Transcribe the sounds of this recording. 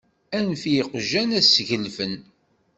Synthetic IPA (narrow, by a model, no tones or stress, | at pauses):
ænθjiqʒænæsʝəlfən